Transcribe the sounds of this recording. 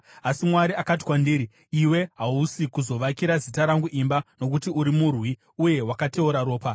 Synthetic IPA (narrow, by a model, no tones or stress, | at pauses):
asimwaɾiakat̬i̥kwandiːɾi | iwe̞ɦausikuzo̞ʋakiɾazitaɾaŋɡuʔimbano̞k̬utiuɾimurwi | uje̞wakate̞uɾaɾo̞ːpa